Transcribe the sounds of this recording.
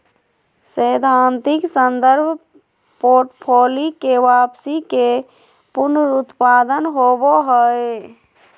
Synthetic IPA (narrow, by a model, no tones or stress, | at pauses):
səjd̪ʱant̪iksənd̪əɾbʱ | poɾʈpʰolikeʋapsike | puɾnəɾut̪pad̪ənɦoboɦəe